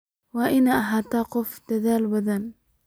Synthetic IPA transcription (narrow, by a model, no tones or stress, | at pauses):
waʔɪnaʔaɦat̪aqʊfd̪aðaːlbad̪an